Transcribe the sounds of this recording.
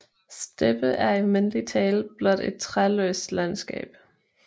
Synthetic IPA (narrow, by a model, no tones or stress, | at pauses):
sd̥eb̥əʔæɐimenlit͡sʰɛːlb̥lɒnd̥ed̥̚t͡sʰʁalø̰ːsd̥lænsɡ̥ɛ̰ːb̥